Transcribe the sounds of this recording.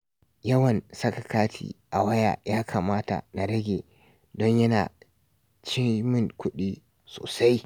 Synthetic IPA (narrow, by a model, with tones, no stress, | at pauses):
jɐ˦wɐ˨nsɐ˦kɐ˨kaː˦tʰḭː˦˨ʔa˨wɐ˦ja̰ː˨jaː˦kʰaː˨maː˦ta̰˨na˨ɽɐ˦ɡʲeː˨ | dɔ˦ɲjɐ˦na̰ː˨ | t͡ʃɪ˦mɪ˦ŋkʷʊ˦ɗiː˦ | so̰ː˨sa˦j